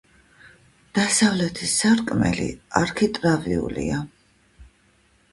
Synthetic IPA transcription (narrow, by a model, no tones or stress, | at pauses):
d̪̥asavlɛt̪ʰisaɾkʼmɛ̰lḭaɾkʰit̪ʼɾaviṵlḭa